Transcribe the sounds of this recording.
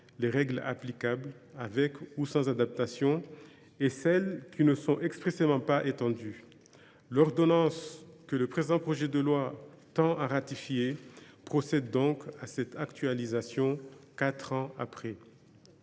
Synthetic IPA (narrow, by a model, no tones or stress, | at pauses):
leʁɛɡla̰plikabl | avɛkusɑ̃zad̪ap̚t̪asjɔ̃ | esɛlkʰʲinəsɔ̃ʔɛkspχesemɑ̃paʔet̪ɑ̃d̪y | lɔʁd̪ɔnɑ̃skələpχezid̪ɑ̃pχɔʒɛd̪əlwa | t̪ɑ̃ʔaʁat̪ifjepχɔsɛd̪ːɔ̃kasɛt̪akt̪ɥalizasjɔ̃kat̪χɑ̃a̰pχɛ